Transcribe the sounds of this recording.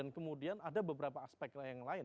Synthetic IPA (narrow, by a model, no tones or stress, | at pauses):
ankəmudianadabəbəɾapaːspɛk̚ajaŋlaɪn